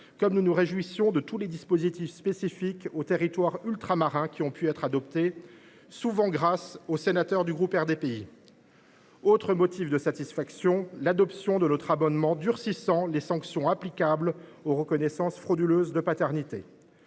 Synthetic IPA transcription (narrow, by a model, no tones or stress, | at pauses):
kɔmnunuʁeʒwisjɔ̃d̪ət̪uled̪ispozit̪ifspesifikot̪eʁit̪waʁylt̪χamaʁɛ̃kʲiɔ̃pʰyɛt̪χad̪ɔpt̪e | suvɑ̃ɡʁasosenat̪œʁd̪yɡʁupɛʁd̪epei | ot̪χəmɔt̪ifd̪əsat̪isfaksjɔ̃lad̪ɔpsjɔ̃d̪ənɔt̪χabɔnmɑ̃d̪yʁsisɑ̃lesɑ̃ksjɔ̃aplikabloʁəkɔnɛsɑ̃sfχod̪yløzd̪əpat̪ɛʁnit̪ḛ